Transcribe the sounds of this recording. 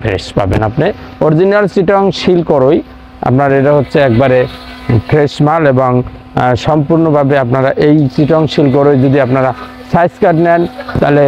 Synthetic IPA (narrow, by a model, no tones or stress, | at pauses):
pʰɾḛʃpa̰bḛnapne | oɾd͡ʑinalt͡ɕiʈɔŋʃilkɔɾoj | a̰pnaɾeʈ̬aɦotːɕʰeɛk̚baɾe | kʰɾeʃmaleboŋ | ʃɔmpuɾnobʱabeapnaɾaʔejt͡ɕiʈɔŋʃilk̬ɔɾojd͡ʑod̪iapnaɾa | sajskaʈnɛnt̪ale